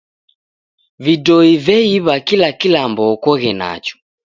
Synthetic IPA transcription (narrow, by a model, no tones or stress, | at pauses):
vidɔivɛiβakilakilambɔːkɔɣɛna̰t͡ʃɔ̥